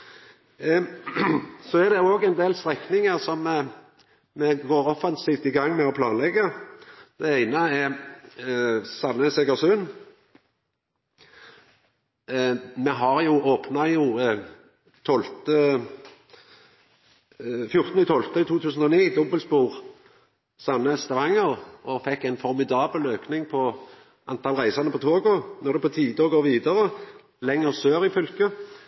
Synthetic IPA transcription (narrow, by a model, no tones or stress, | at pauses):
sɔæd̪ɛʊoːɡɛnd̪eːlst̪ʁɛknɪŋəʁsɔm | mɛɡoːɾɔfɑnsiːft̪ɪɡɑŋːmɛɔpʰlɑːnlɛɡəd̪̥ɛæɪnəɛɾ | sɑnːəsɛːkəʁsʉn | mɛɦɑʁjʊoːpnɑjʊ | t̪ʰɔlt̪ə | fjʊʁt̪n̩ɪt̪ʰɔlt̪əɪt̪ʰuːt̪ʰʉːsən̩ɔniːd̪ɔbəlspuːʁ | sɑnəst̪ɑʋɑŋːəʁʔɔfɛkːæɪnfɔʁmɪd̪ɑːbəløːknɪŋpʰɔ | ʔɑnt̪ʰɑlʁæɪsɑnəpʰɔt̪ʰoːɡɔnɔʁd̪ɛpɔt̪ʰiːd̪ɔɡoːʁʋiːd̪əʁə | lɛŋːəʁsøːʁɪfʏlkə